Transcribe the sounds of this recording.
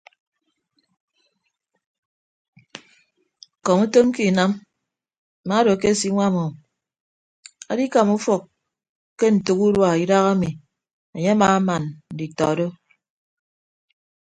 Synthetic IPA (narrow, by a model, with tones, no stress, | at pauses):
kɔ˨mu˦to˦mki˦˨na˦m˨ | ma˨˦do˨ke˦˨si˦ŋʷa˦˨mɔ˨ | a̰˦di˦ka˨mu˦fɔ˨kː | e˦n̩˨tu˨ku˦ɾwa˨i˦da˦ɣa˦mi˨ | e˨ɲe˦a˦maː˨a˦ma˨nn̩˨di˨tɔ̰˨do˦